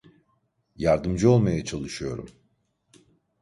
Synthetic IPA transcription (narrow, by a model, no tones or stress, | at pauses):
jaɾd̪ɯmd͡ʒɯo̞lˠmajat͡ʃʰalˠɯʃɯjo̞̰ɾṵm